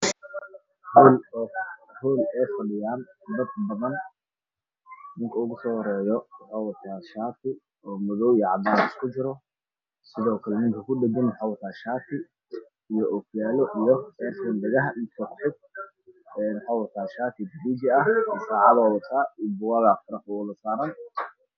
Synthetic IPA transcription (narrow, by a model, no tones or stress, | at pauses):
hɔːlː | hɔːlɛjfɐɖɪjaːnd̪ɐd̪̚bɐðɐn | nɪŋkʰɐʊɣʊsɔːhɾɛːjɔwħaːwɐt̪ʰaːʃaːt̪ʰɪ | ɔːmɐðɔwiɛʕɑd̪aːnɪskʰʊt͡ʃɪɾɔ | sɪðɔːkʰɐlɛnɪŋkʰɐkʰʊɖɛɡɐnwɑħaːwɐt̪ʰaːʃaːt̪ʰɪ | ijɔʔɔfjaːlɔʔijɔɛfɐndɐɣɐɦɐʔɪt̪ʰɔkʊħɪɡ̪̚ | ɛːnwɑħaːwɐt̪ʰaːʃaːt̪ʰɪbiːd͡ʒɪɐhɛːsaːʕɑðɔːwɐt̪ʰaːibʊwaːɣafɐɾɐħɔlɐsaːɾɐn